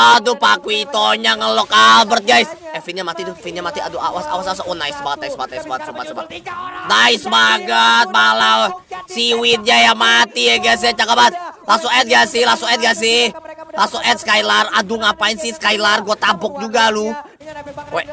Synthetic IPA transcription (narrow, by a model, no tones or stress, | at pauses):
dʊpakuit̪oɲaŋəlɔkabərt̪̚ɡajsɛfinɲamat̪it̪ʊfit̪̚ɲamat̪ia̰dua̰wasa̰wasasaʔonaɪsəbaɡt̪̚aisəbaət̪̚aisbaɡat̪̚subat̪̚sba̰kt̪naɪsəbaɡat̪̚malawsiwɪt̪̚ɲajamat̪iɛɡas̬at͡ʃakabat̪̚lasɔɛt̪̚ɡasɪhlasɔɛt̪̚ɡas̬ɪlasɔʔɛt̪skajlaradʊŋapainsɪhskailarɡuat̪abɔk̚d͡ʒuɡalʊ | wɛ